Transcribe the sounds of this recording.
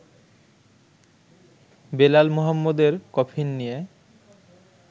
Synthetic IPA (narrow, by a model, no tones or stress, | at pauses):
belalmɔɦamːod̪eɾkɔpʰinːije